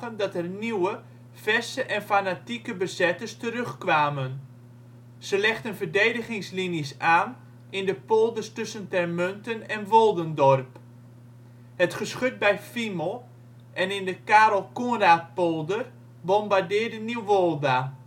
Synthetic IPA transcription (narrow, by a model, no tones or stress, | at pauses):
əndɔtɛrniwə | fɛsəʔɛnfanatikəbəzɛtəstərøxkʋaːmən | z̥əlɛχtənfərdejdəχɪŋsliniəsaːn | ɪndəpolˠdəstɵsəntɛrmøntənɛnʋolˠdəndɔrp | hətχəsχøt̚bɛjfimɔlˠ | ʔɛnɪndəkaːɾɔlˠkonraːt̚pɔlˠdər | bɔmbardɪːdəniwʋolˠda